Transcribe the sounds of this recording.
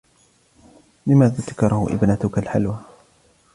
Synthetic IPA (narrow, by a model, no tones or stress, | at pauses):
lɪmaːðaːt̪ḁkɑɾˤɑhʊ̰ʔɪ̰bnat̪ʊkalħalwa